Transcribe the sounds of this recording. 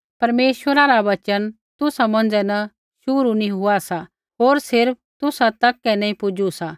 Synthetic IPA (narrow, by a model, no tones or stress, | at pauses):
pɐɾmeːʃʋəɾaɾaʋɐt͡ʃən | t̪ʊsamɐ̃nd͡ʒɛnɐ | ʃʊɾunĩɦʊasa | ɦoːɾsɪɾp̚ʰt̪ʊsat̪ɐkːɛnɛ̃ːĩpʊd͡ʒusa